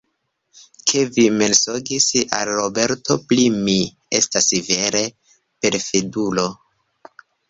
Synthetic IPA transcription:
kʰevimelsoɡisa̰lɾobe̞ɾtʰoplimi | ḛstasive̞ɾe̞ | pe̞ɾfedulo̞

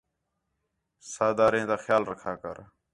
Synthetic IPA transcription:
saːd̪aːɾẽːt̪aːxjaːlɾəkʰaːkə̰ɾ

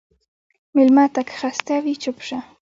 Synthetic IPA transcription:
milmat̪akxast̪avit͡ɕʊpʂa

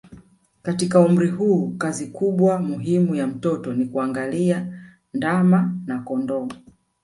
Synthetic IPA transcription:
katikaum̩ɾiɦuːkazikuɓwamuɦimujam̩tɔtɔnikuaŋɡalia | ndamanakɔndɔ

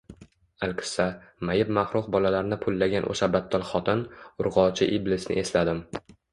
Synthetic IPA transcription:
alkʲʰɪ̥samajɪpmaχɾʊqbɒlalaɾnɪpʰʊlːaɡʲanʔo̰ʃabat̪ʰːɒlˠχɒt̪ʰɪnʊɾʁɒt͡ʃʰɪʔiblɪsnɪ̰ʔe̞slad̪ɪm

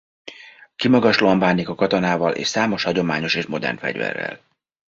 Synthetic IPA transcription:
kimɒɡɒʃloːɒmbaːnːikɒkɒt̪o̞naːvɒlʔḛːʃsaːmo̞ʃhɒɟo̞maːɲo̞ʃeːʃmo̞d̪ɛ̰rnfɛ̰ɟvɛ̰rːɛ̰l

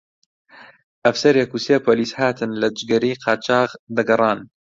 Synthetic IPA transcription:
ʔɐfsɐɾjɐkusepʰoːliːshaːt̪ʰɨnlɐd͡ʒɡɐɾiːqʰɑːt͡ʃʰɑːqd̪ɐɡɐrˤɑːn

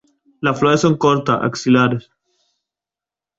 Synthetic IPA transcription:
lafloɾesːoŋkoɾt̪aʔa̰ksilaɾes

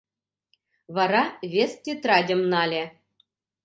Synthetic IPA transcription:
βɑɾɑβʲest̪ʲet̪rɑdʲɤ̆mnɑlʲe

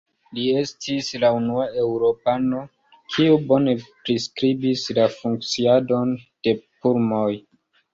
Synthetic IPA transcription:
lie̞stʰislaunuae̞wɾo̞pano̞ | kʰiubo̞ne̞pɾiskɾibislafuŋk̚t͡siado̞nd̥e̞puɾmoj

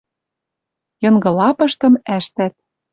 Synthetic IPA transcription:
jɤ̆nɡɤ̆lɑpɤ̆ʃt̪ɤ̆mæʃt̪æt̪̚

